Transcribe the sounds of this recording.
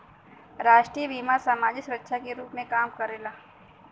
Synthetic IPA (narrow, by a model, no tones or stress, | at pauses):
ɾaːʃʈɾiebiːmasaːmaːd͡ʒɪsʊɾətːʃʰakeɾuːpmẽkaːmkɐɾelaː